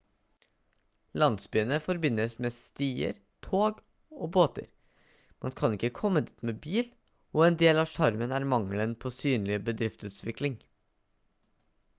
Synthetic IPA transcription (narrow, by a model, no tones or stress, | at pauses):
lɑnsbyːənəfɔɾbɪnːəsmeːst̪iːə̰ɾ | t̪ʰoːɡ | oːboːt̪ə̰ɾ | mɑnkʰɑnɪkːəkʰɔmːəd̪iːt̪meːbiːl | ɔɛnd̪eːlɑːʂɑɾmənæɾmɑŋlənpʰosyːnlɪbəd̪ɾɪft̪sʉːt̪ʋɪklɪŋ